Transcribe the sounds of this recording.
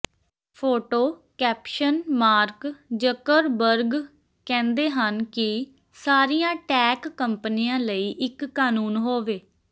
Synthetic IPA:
pʰoːʈoːkɛːpʃənmaːɾkd͡ʒəkəɾbəɾɡ | kɛ̃ːnd̪eːɦənkɪ | saːɾijãːʈɛːkːəmpənijãːləiːʔɪkːaːnuːnɦoːʋeː

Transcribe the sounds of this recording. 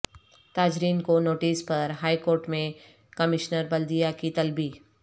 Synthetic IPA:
t̪aːd͡ʒɾiːnkonoːʈiːspɐɾɦaːikoːɾʈmẽ | kɐmɪʃnəɾbɐld̪ijakit̪ɐlbiː

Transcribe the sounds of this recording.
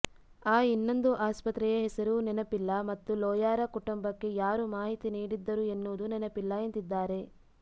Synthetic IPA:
aːinːo̞nd̪uʔaːspɐt̪ɾɛjɐɦɛsɐɾunɛnɐpilːɐmɐt̪ːulɔːjaːɾɐkuʈumbɐkːe̞jaːɾumaːɦit̪iniːɽid̪ːɐɾue̞nːuːd̪unɛnɐpilːɐent̪id̪ːaːɾe̞

